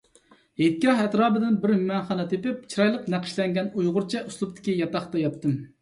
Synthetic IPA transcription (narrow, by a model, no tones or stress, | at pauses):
het̪̚kʲɑɦɛt̪ɾɑːbɨd̪ɪnbɪɾmmɛnχɑnɛt̪ʰepɪp̚t͡ʃʰiɾɑjlˠəqnæqʰɪ̥ʃlɛŋɡʲɛnujʁʊɾt͡ʃʰɛʔuslˠupt̪ʰɪ̥kʲijɑt̪ɑχt̪ɑjɑt̪ːɨm